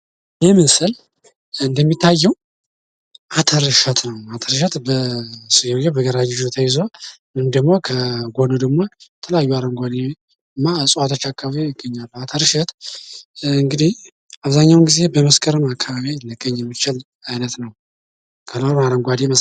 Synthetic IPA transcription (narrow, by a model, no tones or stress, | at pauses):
jɛmənsɨl | ɨnd̪əmːit̪ʰːajːɛw | ʔat̪ʰəɾɨʃət̪nəwat̪ʰəɾɨʃ̬ɛt̪bəsɨjɛwjɛbəɡəɾad͡ʒɪd͡ʒut̪ʰəjɪzomɨnd̪əɡmo̞kʰəɡo̞nud̪əɡmo̞jət̪ʰələjajːuaɾəŋɡʷad̪e | ɨmːasʼwat̪ʰot͡ʃːakːaβaβijɪɡːəɲːalːəwat̪ʰəɾɨʃɛt̪ | ɨŋɡɨd̪ih | aβzaɲːawnɡize̞bəməskʰʼəɾɨmakʰːaβaβiləɡːəɲːjɛmːit͡ʃɪl | ajnət̪nəw | kʰəloɾmaɾəŋɡʷad̪eməs